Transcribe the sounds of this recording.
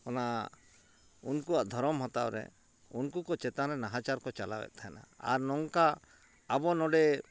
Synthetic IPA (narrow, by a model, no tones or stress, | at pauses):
ɔna | unkuaʔd̪ʱɔɾɔmɦɔt̪a̰wɾɛ̰ | unkukɔt͡ʃɛt̪anɾɛnaɦat͡ʃaɾkɔt͡ʃala̰bɛ̰t̪̚t̪ʰaɛna̰a̰ɾnɔŋkaː | bɔnɔɖɛ